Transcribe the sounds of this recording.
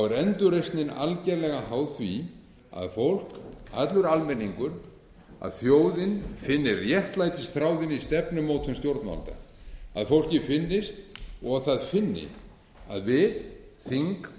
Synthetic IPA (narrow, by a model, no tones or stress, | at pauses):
awɛɾɛnt̪ʏɾejst̪nɪna̰lcɛɾlɛɣaɦaːwθvi | a̰ðfowl̥ka̰t̪lʏɾalmɛnːiŋkʏɾ̥ | a̰ðθjoːwðɪnfɪnːɪrjɛht̪lajt̪ɪst̪ɾaːwðɪnist̪ɛpnʏmoːwt̪ʰʏnst̪jowɾt̪nma̰lt̪a̰a̰ðfowl̥cɪfɪnːɪst̪ɔɣaθaðfɪnːɪ̰ | aðvɪðθiŋk